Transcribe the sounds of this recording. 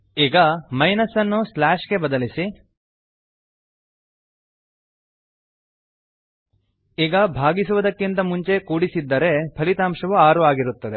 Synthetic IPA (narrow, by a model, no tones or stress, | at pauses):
iːɡɐmɐjnɐsːɐnːuslaːʂɡe̞bɐd̪ɐlisi | iːɡɐbʱaːɡisuʋɐd̪ɐkːint̪ɐmuɲt͡ʃe̞kuːɽisid̪ːɐɾe̞pʰɐlit̪aːmʂɐʋuaːɾuaːɡiɾut̪ːɐd̪e